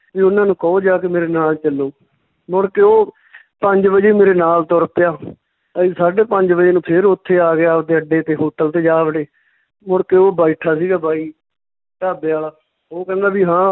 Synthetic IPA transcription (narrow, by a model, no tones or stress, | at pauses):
ʋiːʊnãːnũːkɔoːd͡ʒaːk̬emeːɾeːnaːlt͡ʃəlːoː | mʊɽkeːoː | pəɲd͡ʒʋəd͡ʒeːmeːɾeːnaːlt̪ɔɾpɪjaː | əiːsaːɖeːpəɲd͡ʒbəd͡ʒeːnũːpʰɪɾʊt̪ʰːeːaːɡɪaːd̪eːəɖeːt̪eːɦoːʈəlt̪eːd͡ʒaːʋəɽeː | mʊɽkeːoːbaːiʈʰaːsiːɡaːbʱaːiː | ʈaːbeaːlaː | oːkɛ̃ːnd̪aːbiːɦãː